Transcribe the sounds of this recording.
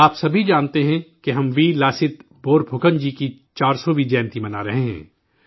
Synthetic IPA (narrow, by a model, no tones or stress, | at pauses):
aːpsɐbʱid͡ʒaːnt̪eɦɛ̃keɦɐmʋiːlaːsɪt̪boːɾbʱʊkənd͡ʒiːkit͡ʃaːɾsoʋid͡ʒɛ̃ːnt̪imɐnaɾɐɦeɦɛ̰̃ː